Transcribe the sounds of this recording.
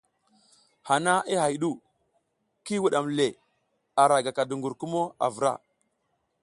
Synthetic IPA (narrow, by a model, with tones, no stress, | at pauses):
ha˨na˦i˦ha˨jɗu˦˨ | ki˦wu˨ɗa˨mle˨ | a˨ɾa˨ɡa˨ka˨du˨ŋɡu˨ɾku˦mo˦a̰˨və˨ɾa̰˦˨